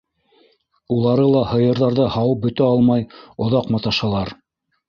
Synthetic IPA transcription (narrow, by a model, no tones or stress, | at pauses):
ulˠɑɾɤlˠɑhɤ̆jɤ̆ɾðɑɾðɤhɑwɤp̚bɵ̆t̪æɑlˠmɑjŏðɑqmɑt̪ɑʃɑlˠɑɾ